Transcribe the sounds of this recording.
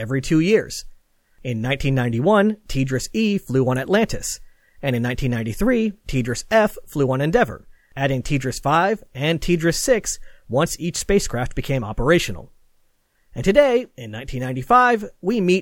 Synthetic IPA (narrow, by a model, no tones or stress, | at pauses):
ɛvɹitʰʉjɪɹz̥ | ɪ̃nːãɪ̃ntʰĩnːãɪ̃ntiwʌ̃ntʰidɹɨsifluə̃nɨtˡlæ̃ntɨ̰s | ɨ̃nɨ̃nãɪ̃ntʰĩnːãɪ̃ntiθɹitʰidɹɨsɛfːluə̃nɨ̃ndɛvə̰˞ | æɾɪ̃ŋtʰidɹɨsfaɪvɨ̃ntʰidɹɨsɪkswʌ̃nsit͡ʃspeɪskʰɹ̥æft̚b̥ɨkʰẽɪ̃mɑ̰pə˞eɪʃɨn̩l̩ˠ | ɨ̃ntʰɨdeɪɪ̃nːãɪ̃ntʰĩnːãɪ̃ntifaɪvwimit̚